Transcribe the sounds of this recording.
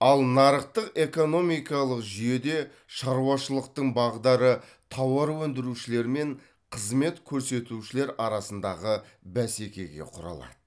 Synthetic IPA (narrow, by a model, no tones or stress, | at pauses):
ɑlˠnɑɾəq̚t̪əqe̞ko̞no̞mijkɑlˠəqʒije̞d̪e̞ | ʃɑɾuwɑʃəlˠəq̚t̪əɴbɑʁəd̪ɑɾə | t̪ʰɑwɑɾwɵnd̪ɪɾuʃɪle̞ɾme̞ɴ | qʰəzme̞t̪kʲʰɵɾse̞t̪uʃɪle̞ɾɑɾɑsənd̪ɑʁə | bæse̞kʲe̞̰ɡʲe̞̰qʰʊɾɑ̰lˠɑ̰d̪̥ə